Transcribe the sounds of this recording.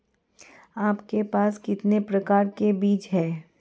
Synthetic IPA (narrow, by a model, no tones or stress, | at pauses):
aːpkepaːskɪt̪nepɾɐkaːɾkebiːt͡ʃɦɛː